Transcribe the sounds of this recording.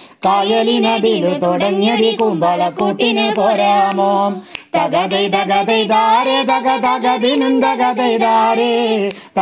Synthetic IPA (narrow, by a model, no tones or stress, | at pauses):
t̪ajɐlinɐbilɯt̪ɔɽɐŋːiɽikumbɐɭɐkːuʈːinepoːɾamoːmt̪ɐɣɐðɐɪt̪ɐɣɐd̪ɐɪd̪aːɾet̪ɐɣɐt̪ɐɣɐðinumd̪ɐɣɐd̪ɐɪd̪aːɾe | t̪